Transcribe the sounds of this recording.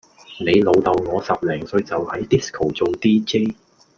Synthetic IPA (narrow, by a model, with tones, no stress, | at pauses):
ne˨˧jlo˨˧wt̪ɐ˨˧wŋɔː˨˧sɐ˨p̚lɛː˨˩ŋsɵ˧ɥt͡sɐ˨whɐ˨˥jt̪i˥skʰo˨˩wt͡so˨˧wt̪iː˥t͡ʃe˥j